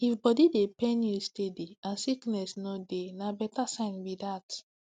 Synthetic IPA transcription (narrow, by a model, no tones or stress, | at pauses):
ifbɔdidepɛ̃nustediãnsiknɛsnɔdenabɛtasãɪ̃nbidat